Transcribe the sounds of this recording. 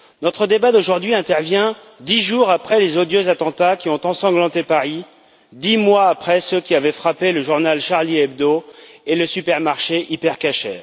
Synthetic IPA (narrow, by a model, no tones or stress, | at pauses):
nɔt̪χəd̪ebad̪oʒuʁd̪ɥiɛ̃t̪ɛʁvjɛ̃ | d̪iʒuʁapχɛlezod̪jøzat̪ɑ̃t̪akʲiɔ̃t̪ɑ̃sɑ̃ɡlɑ̃t̪epaʁi | d̪imwaːpχɛsəkʲiavɛfχapeləʒuʁnalʃaʁliɛb̚d̪oeləsypɛʁmaʁʃeʔipɛʁkaʃɛ̰ːʁ